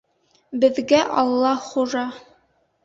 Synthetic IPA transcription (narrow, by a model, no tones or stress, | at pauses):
bɘ̆ðɡæʔɑlˠːɑχuʒɑ